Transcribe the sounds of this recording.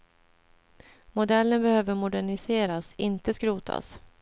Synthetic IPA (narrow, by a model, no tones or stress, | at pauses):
mʊd̪ɛlːənbɛhøːvəɾmʊd̪æɳɪseːɾasɪnt̪əskɾuːt̪ʰa̰s